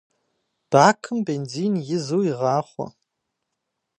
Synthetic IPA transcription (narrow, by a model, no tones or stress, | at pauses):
b̥aːkʰɨmbeːnd͡ziːnjɪzuwjiʁɑːχʷɔ̰